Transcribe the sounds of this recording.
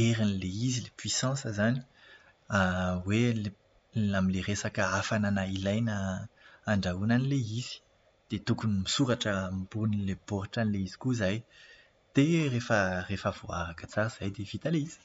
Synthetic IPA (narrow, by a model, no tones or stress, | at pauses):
eɾinileizilepɥisɑ̃səzani̥ | awele | amileresakəafananailajnəː | ɳɖ͡ʐaunanileizi̥ | d̪̥et̪ukunimisuɾaʈ͡ʂəmbunilebɔɾaʈ͡ʂanileizi̥kuzaj | t̪erefərefavoa̰ɾakət͡saɾəz̥ajd̪ev̥it̪aleiz̥i̥